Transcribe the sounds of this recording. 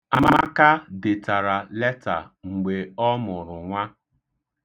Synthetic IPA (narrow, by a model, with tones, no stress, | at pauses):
a˦˨m˦a˦ka˦dɪ˨ta˨ɾa˨lɛ˦ta̰˨ŋ͡m̩˨ɡ͡be˨ɔ˦mʊ˨ɾʊ˨ŋʷa˦